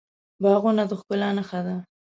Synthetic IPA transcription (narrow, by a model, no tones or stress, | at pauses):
bɑɣonad̪əxkʊlanaxad̪a